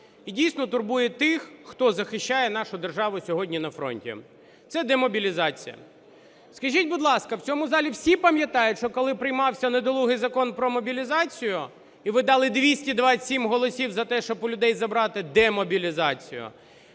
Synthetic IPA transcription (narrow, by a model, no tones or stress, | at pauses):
idʲijsnɔt̪ʊrbujɛt̪ɪxːt̪ɔzɐxɪʃt͡ʃːajɛnɑʃʊd̪erʒɑʋʊsʲɔɦɔdʲnʲinɐfɾɔ̰nʲtʲḭ | t̪sɛd̪emɔbʲilʲizɑt͡sʲijɐ̰ | skɐʒʲitʲbʊd̪lˠɑskɐwt͡sʲɔmʊzɑlʲiwsʲipɐmʲjɐt̪ɑjʊtʲʃt͡ʃɔkɔlˠɪpɾɪjmɑwsʲɐned̪ɔlˠuɦɪjzɐkɔnpɾɔmɔbʲilʲizɑt͡sʲijʊ | iʋɪd̪ɑlˠɪd̪ʋʲisʲtʲid̪ʋasʲimɦɔlˠɔsʲiwzɐt̪ɛʃt͡ʃɔbʊlʲʊd̪ɛjzɐbɾɑt̪ɪd̪ɛmɔbʲilʲizɑt͡sʲḭjʊ̰